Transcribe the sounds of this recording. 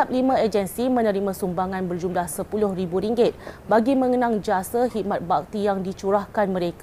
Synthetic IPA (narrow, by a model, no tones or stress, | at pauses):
ap̚limãed͡ʒənsimə̃nə̃ɾimãsumbaŋãnbərd͡ʒumlahsəpulʊhribuɾiŋɡɪt̪̚baɡimə̃ŋənãŋd͡ʒasahit̪̚mat̪̚bak̚t̪ijaŋdit͡ʃuɾahkanmə̃ɾek